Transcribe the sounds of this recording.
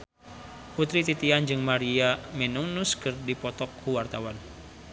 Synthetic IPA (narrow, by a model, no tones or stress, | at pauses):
put̪ɾit̪it̪iand͡ʒɨŋmaɾiamɛnuŋnuskɨrdipɔt̪ɔkʰːuwart̪awan